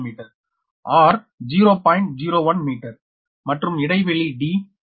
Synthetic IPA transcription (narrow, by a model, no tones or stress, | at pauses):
miːʈɐɾ | aːɾ | d͡ʒiːɾoːpaːjɪɳʈ̚d͡ʒiːɾoːʋɐnmiːʈɐɾ | mɐʈrɯmɪɽɐɪʋɛɭiɖiː